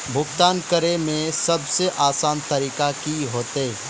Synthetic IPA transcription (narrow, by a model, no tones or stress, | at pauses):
bʱʊkt̪aːnkəɾemẽsɐbseʔaːsaːnt̪ɐɾiːkakiɦoːt̪eː